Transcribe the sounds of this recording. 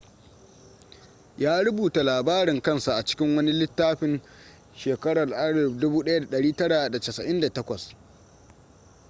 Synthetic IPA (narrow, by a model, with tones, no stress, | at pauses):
jaː˦ɾʊ˦buː˨ta˨laː˨baː˦ɾɪ˨ŋkɐ˦˨nsa˨ʔa˨t͡ʃɪ̥˦kʲɪ˦ŋwɐ˦ni˦lɪ˦tːaː˦ɸɪ˦n | ʃeː˨kɐ˦ɽɐ˨rʔa˦ɽɐ˨dʊ˦buː˦ɗɐ˦ja˦da˨ɗɐ˨ɽiː˦tɐ˦ɽa˨da˨tɐ˨sɐ˨ʔɪ˦nda˨tɐ˦kʷɐ˨s